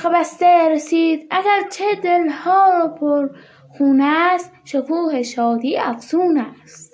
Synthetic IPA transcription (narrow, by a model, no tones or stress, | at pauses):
xebæst̪eɾesiːd̪æɡæɾt͡ʃʰed̪elhɒːɾopʰoɾ | xuːnæst̪ʃokʰuːheʃɒːd̪iːæfzuːnæst̪